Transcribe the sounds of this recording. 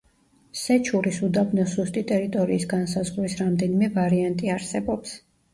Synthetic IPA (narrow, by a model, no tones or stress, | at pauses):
sɛt͡ʃʰuɾisud̪abnɔsust̪ʼit̪ʼɛɾit̪ʼɔɾiːsɡansazʁlisɾamd̪ɛnimɛvaɾiant̪ʼiaɾsɛbɔps